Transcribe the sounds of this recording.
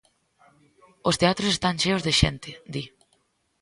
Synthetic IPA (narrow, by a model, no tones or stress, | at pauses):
ost̪eat̪ɾosest̪anʃeowzðeʃɛ̰nt̪ɪd̪i